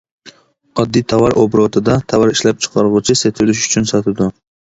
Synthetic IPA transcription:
ɒd̪ːijt̪ʰɑvɑɾʔobɾot̪ʰɪd̪ɑt̪ʰɑvɑɾiʃlæp̚t͡ʃʰɨ̥qʰɑɾʁʊt͡ʃʰɪset̪ʰʊlɪʃʊ̥t͡ʃʰʊnsɑt̪ʰɪd̪ʊ

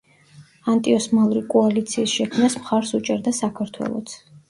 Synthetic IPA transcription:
ant̪ʼiɔsmalˠɾikʼɔalit̪sʰiːsʃɛkʰmnasmχaɾsut͡ʃʼɛɾd̪asakʰaɾt̪ʰwɛ̰lˠɔ̰t̪sʰ

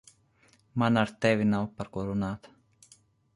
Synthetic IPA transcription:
manaɾt̪evinalpaɾkoɾunaːt̪

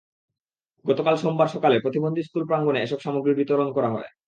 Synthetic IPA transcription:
ɡɔt̪okalʃombaɾʃɔkalepɾot̪ibond̪ʱiskulpɾaŋɡoneeʃɔbʃamoɡɾiɾbit̪oɾonkɔɾaɦɔ̰ḛ

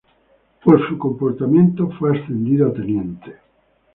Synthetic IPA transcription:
posukomport̪amẽnt̪ofweast̪end̪iðoat̪enjɛnt̪e̥

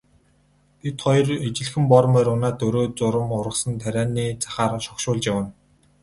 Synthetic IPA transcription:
tʰet̪χɔjɞ̆ret͡ɕɪ̆ɮxɘ̆mpɔɾ̆mæːɾʊnaːt̪ɵɾoːt͡sʊɾə̆mʊɾə̆sə̆nt̪ʰæɾʲæːniːt͡sʰḁχaːrʃɔkʃʊːɮt͡ɕjawə̆n

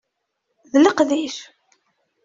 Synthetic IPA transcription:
ðləqðiʃ

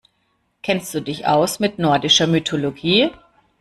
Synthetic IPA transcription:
kʰɛnst̚d̥uːdɪçʔa̰ʊsmɪtnɔɐdɪʃɐmytʰoloɡiː

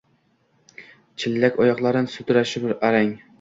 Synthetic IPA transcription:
t͡ʃʰilːɛkʲɑjɑqlˠɑɾɨnsut̪uɾæʃɪbɪɾɑɾɛŋ

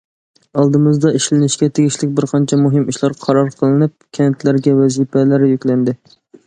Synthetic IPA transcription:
ɑlˠd̪ɨmɨzd̪ɑiʃlɪnɪʃkʲɛt̪ʰeɡʲiʃlɪk̚ʲbɪɾqʰɑnt͡ʃʰɛmuɦɨmiʃlɑɾqʰɑɾɑɾqʰəlˠɨnɨp̚kʲʰɛnt̪læɾɡʲɛwɛzipɛlæɾjykʲlɛnd̪ɪ

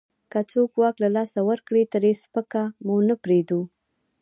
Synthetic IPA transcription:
kat͡sokwɑklalɑsawəɾkɽit̪əɾespəkamunəpɾed̪u

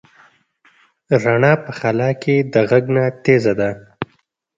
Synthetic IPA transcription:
ɾaɳɑpəxalɑked̪əɣaɡnat̪ezad̪a

